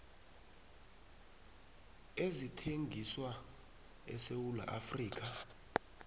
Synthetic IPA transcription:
ezitʰeŋɡʱiswa | ɛ̰sewula̰ʔafriːk̬ʼa

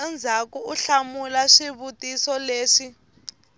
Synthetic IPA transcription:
ɛnd͡zʱakuuɬamulaʂiβutʼisɔleːʂi

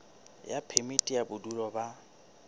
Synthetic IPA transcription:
japʰemitʼijabʊduɾɔba

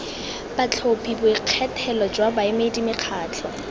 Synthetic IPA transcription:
b̥at͡ɬʰopʰibʊiq͡χʰɛtʰɛlɔd͡ʒwabaɪmeidimɪq͡χʰaːt͡ɬʰɔ

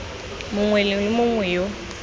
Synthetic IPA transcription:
mʊŋwɛllɪmʊŋwɛjo

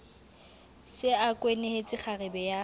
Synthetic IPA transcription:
sɪakʼweneet͡sʼɪk͡xʰarɪbɛja

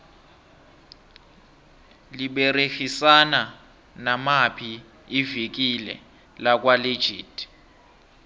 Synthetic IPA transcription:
liɓerexisana | namapʰi | ivik̬ilɛ̰ | lak̬wale̥d͡ʒ̥ʱḭːtʰʼ

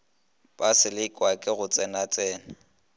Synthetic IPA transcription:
b̥asɪlɪkʼwakʼɪɣʊt͡sʼɛnat͡sʼɛːna

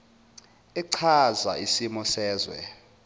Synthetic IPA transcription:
ɛǀʰaza̰ʔisimɔsɛːzwɛ̰

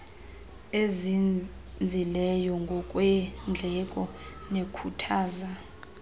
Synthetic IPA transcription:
ezi | nd͡zʱilɛjɔŋɡʱɔkʼwɛnd͡ɮʱɛkʼɔnekʰutʰaːza

